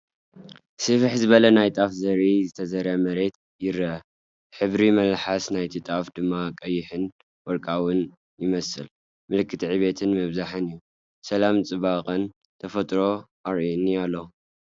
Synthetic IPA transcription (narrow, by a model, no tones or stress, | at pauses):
sɨfħzɨβɐlɐnajt̪ʼafzɐɾizɨt̪ʰɐzɐɾamɐɾe̞t̪̚ | jɪɾɐ | ħɨβɾimɐlħasnajt̪ʰit̪ʼafd̪ɨmːakʼɐjːɪħɨn | wɔɾkʼawʊn | jɪmɐsɨ̰l | mɨlɨkʰːɨt̪ʰiʕiβe̞t̪ʰɨnmɨβzaħɨnɨjːu | sɐlamt͡sʼɨβakʼɨn | t̪ʰɐfɐt̪ʼɾo̞ | aɾʔinialːo